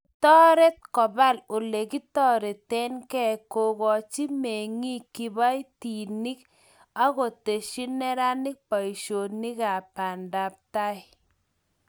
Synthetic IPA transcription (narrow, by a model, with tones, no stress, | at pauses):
tɔ˦ɾɛ˦t̚kɔ˨ba˦lo˨le˨ki˦tɔ˦ɾe˨tɛ˦nkɛ˦˨ko˨ɣɔ˨t͡ʃi˦me˨ŋi˦ki˨ba˦jti˨ni˦k | a˦ɣo˨te˨ʃi˦nɛ˦ɾa˦nɪ˦k̚pa˨i˨ʃo˨nɪ˦ka˨pa˨nda˨p̚ta˦ɪ˨